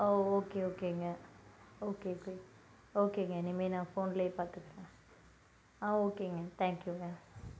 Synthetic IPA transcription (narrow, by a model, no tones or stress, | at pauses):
oːoːkeoːkeŋɡɛoːkeoke | oːkeŋɡɛnimːenãːfoːnleːpaːt̪ɯkːɐɾãː | aoːkeːŋɡɛt̪ʰaːŋkjuŋɡa